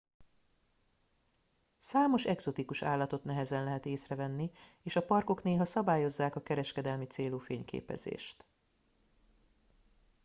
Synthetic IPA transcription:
saːmo̞ʃɛɡz̥o̞t̪ikuʃa̰ːlːɒt̪o̞t̪nɛɦɛzɛnlɛɦɛt̪eːsrɛvɛnːi | eːʃɒpɒrko̞kneːɦɒsɒbaːjo̞zːaːkɒkɛɾɛʃkɛd̪ɛlmit̪seːloːfeːɲkʰḛːpɛ̰zḛːʃt̪

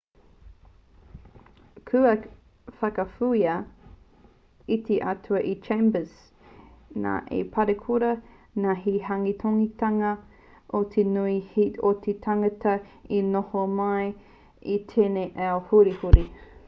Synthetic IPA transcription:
kʰʉɐ | fɐkɐfujɐ | it̪ʰeʔatʰuɐʔit͡ʃʰẽjmbəz | na̰ʔḛpʰɐɾekʰuɾɐ | naɦiɦaŋit̪ʰoŋit̪ɐŋɐ | ʔot̪ʰenuihiot̪ʰetʰaŋɐtɐinohomɐj | it̪ʰeneʔɛohuɾihuɾi

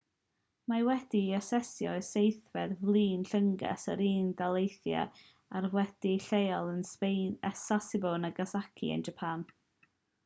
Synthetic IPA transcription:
mawɛd̥iɛsɛsjɔɨsejθvɛdvlˠiːnɬəŋɡɛ̰səɾiːndalˠejθja̰ | arwɛd̥iɬejɔlˠənspejnɛsasɪbɔnəɡasakʰḭə̰nd͡ʒəpʰan

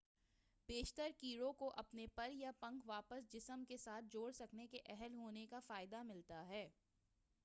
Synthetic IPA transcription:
peːʃt̪əɾkiːɾõkoʔɐpnepɐɾjapɐ̃ŋkʋaːpəsd͡ʒɪsəmkesaːt̪̚ʰd͡ʒoːɽsɐknekeʔɛɦəlɦoːnekafaːɪd̪amɪlt̪aɦɛː

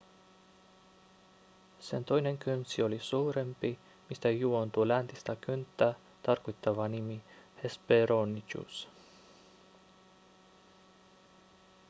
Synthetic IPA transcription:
se̞nt̪o̞jne̞ŋkynsio̞lisuːɾe̞mpi | mist̪æjuo̞nt̪ulænt̪ist̪ækynt̪ːæ | t̪ɑrkojt̪ːɑʋɑnimihespeɾonit͡ʃṵs

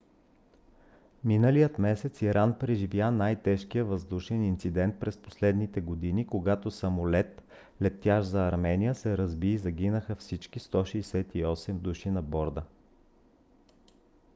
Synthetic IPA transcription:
minəlijət̪mɛsɛt̪siɾanpɾɛʒivjanajt̪ɛʃkijəvɐzd̪uʃɛnint̪sid̪ɛnt̪̚pɾɛspo̥slɛd̪nit̪ɛɡod̪inikoɡat̪osɐmolɛt̪ | lɛt̪ːjaʃzɐːɾmɛnijəsɛɾɐzbiːzɐɡʲinəxəfsit͡ʃkist̪ɔʃɛjsɛt̪iɔsɛmd̪uʃinɐbɔɾd̪ə

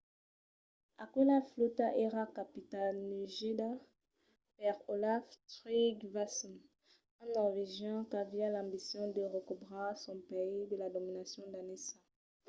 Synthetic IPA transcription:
akulaflut̪aʔeʁakapit̪alnyʒed̪a | pɛʁolaftʁiɡvasɔn | ãnɔʁveʒjɑ̃kavialɑ̃bisjɔ̃d̪əʁəkubʁasɔ̃peid̪əlad̪ominasjɔ̃d̪anesã

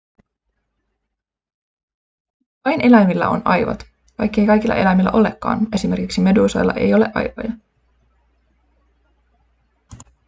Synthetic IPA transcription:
ʋɑjne̞læmilːæ̰o̞̰nɑjʋɑ̰t̪ | kɑjkːe̞jkɑjkilːɑ̰ʔe̞læmilːæʔo̞le̞kːɑ̰ːne̞sime̞rkiksime̞duːsojlːɑ̰ʔe̞̰jo̞le̞̰ʔɑ̰jʋo̰jɑ

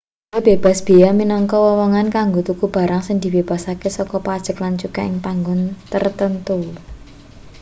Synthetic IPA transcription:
jab̥e̤b̥a̤sb̥e̤jaminɔŋkɔwɔwɔŋankaŋɡot̪ukub̥a̤ɾaŋsɪŋd̪̥i̤web̥a̤sakesɔkɔpad̥ʒ̥ə̤klant͡ʃukaʔɪŋpaŋɡʊnt̪ərt̪ənt̪u

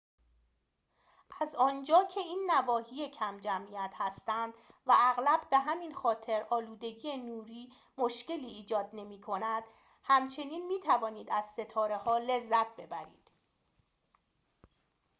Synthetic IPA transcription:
ʔæzɒːnd͡ʒɒːcʰe̞iːnːævɒːhiːje̞cʰæmd͡ʒæmijæt̪ʰhæst̪ænd̪̥væʔæɣlæb̥ːe̞ɦæmiːnxɒːt̪ʰe̞ɾɒːluːd̪e̞ɟiːenuːɾiː | moʃce̞liːd͡ʒɒːd̪̚ne̞miːkʰo̞næd̪̥ | hæmt͡ʃʰe̞niːnmiːt̪ʰævɒːniːd̪æz̥se̞t̪ʰɒːɾe̞hɒːle̞zːæt̪̚ʰbe̞bæɾḭːd̪̥

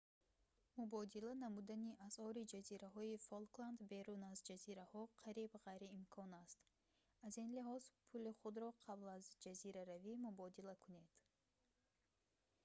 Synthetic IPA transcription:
mubɔd̪ilanamud̪aniʔasɔɾid͡ʒaziɾaɦɔifolkland̪be̞ɾunazd͡ʒaziɾahɔqʰaɾibʁajɾiːmkʰɔnast̪ | azinliɦɔz̥pʰuliχud̪ɾɔqʰablazd͡ʒaziɾaɾavimubɔd̪ilakʰune̞d̪̥

